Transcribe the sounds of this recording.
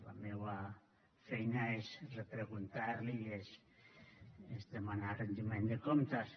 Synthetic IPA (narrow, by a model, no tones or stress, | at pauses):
la̰mewa | fɛjnaezrepɾeɣunt̪aɾlies | ezd̪emanarend̪imẽnd̪ekomt̪as